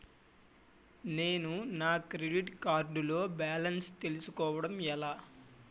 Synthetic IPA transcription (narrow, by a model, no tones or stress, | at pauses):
ne̞ːnunaːkɾeɖiʈkaːɾɖulo̞ːbaːlɐnst̪e̞lusukɔːʋɐɽɐmɛlaː